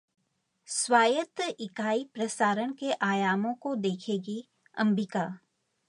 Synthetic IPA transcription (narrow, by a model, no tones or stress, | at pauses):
swaːjət̪ʔɪkaːipɾəsaːɾəɽ̃keʔaːjaːmõkod̪eːkʰeːɡi | ɐ̰̃mbɪkaː